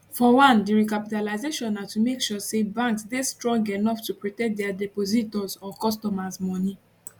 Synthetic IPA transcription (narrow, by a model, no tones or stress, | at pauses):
fɔwãndiɹikapitalaɪzeʃɔ̃natumekʃɔsebãŋksdestɹɔ̃ŋɡenɔftupɹɔtɛ̃k̚dɛadɛpozitɔzɔkɔstɔmazmɔni